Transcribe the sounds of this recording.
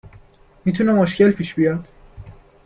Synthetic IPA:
miːt̪ʰunemoʃcelpʰiːʃbijɒd̪̥

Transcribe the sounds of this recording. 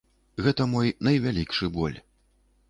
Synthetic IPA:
ɣɛt̪ɐmɔjnɐjvʲalʲikʂɨbɔ̰lʲ

